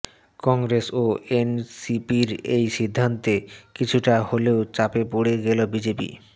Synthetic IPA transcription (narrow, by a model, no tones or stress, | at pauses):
kɔŋɡɾesoensipiɾejʃid̪ʱːant̪ekit͡ɕʰuʈaholeot͡ɕapepoɽeɡelobid͡ʑepḭ